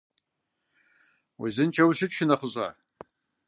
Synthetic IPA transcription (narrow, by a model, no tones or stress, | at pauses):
wḭzɨnt͡ʃʰɐwɕɨtʃɪnɐχəʑʼa̰ː